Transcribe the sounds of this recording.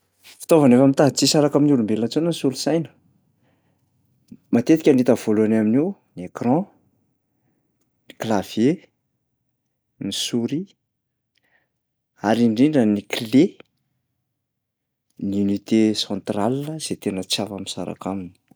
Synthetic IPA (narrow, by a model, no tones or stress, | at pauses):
fi̥t̪ovanefamint̪aɦt͡sisaɾakaminulumbelat͡sonənisulusajnə̥ | mat̪et̪i̥kʲanit̪əv̥oluanaminiwniekrɑ̃ | niklav̥je | nisuɾi | aɾiɳɖ͡ʐiɳɖ͡ʐənikle | niunit̪esɑ̃nt̪ralinəz̥et̪enət͡sjavamisa̰ɾa̰kamini̥